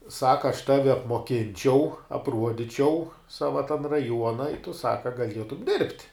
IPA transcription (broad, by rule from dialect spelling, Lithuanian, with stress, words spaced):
ˈsɑːkɐ ɐʃ ˈtɑːʋʲɪ ɐpmoːˈkʲɪnʲt͡ʃʲɛʊ ɐpˈruɔdʲɪt͡ʃʲɛʊ ˈsɑːʋɐ tɐn rɐˈjuɔnɐ ɪ tʊ ˈsɑːkɐ ɡɐˈlʲiɛtʊm dʲɪrʲpʲtʲ